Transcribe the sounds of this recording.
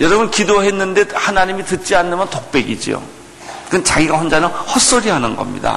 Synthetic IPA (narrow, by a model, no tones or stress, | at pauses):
jʌɾʌbɯnkidoɦe̞nːɯnde̞hanaɲimitɯt̚t͡ɕ͈ianːɯmjʌntok̚p͈e̞ɡid͡ʑḭo̰ | kɯnt͡ɕaɡiɡaɸwʌnd͡ʑanahʌs͈ʌɾiɦanɯnɡʌ̰mɲḭda̰